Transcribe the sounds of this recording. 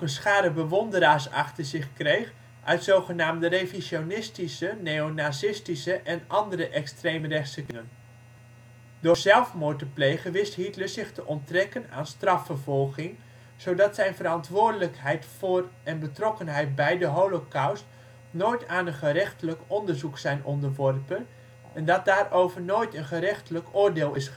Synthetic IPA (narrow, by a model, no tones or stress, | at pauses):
kənsχaːɾəbəʋɔndəɾaːɹsɑ̰χtəɹzɪχkrejχ | ʔœɥtsowχənaːmdəreviʃjonɪstisənejonaːsɪstisəʔɛnɑndərəʔɛkstrejmərɛχtsəkəŋən | dozɛlˠfmʊːtəplejχəʋɪstɦitləszɪχtəʔɔntrɛkəna̰ːnstrɑfəɹvɔlˠχɪŋ | z̥owdɑtsɛjnvəɾɑntʋʊːɹdələkɦɛjtfʊːrɛnbətrɔkənɦɛjt̚bɛjdəɦolokawst | noːjtaːnənχərɛχtələkɔndəɹzuksɛjnɔndəɹʋɔrpən | ʔɛndɑt̚daːrʔowvəɹnojtənχəɾɛχtələkʊːrdɪːlˠɪs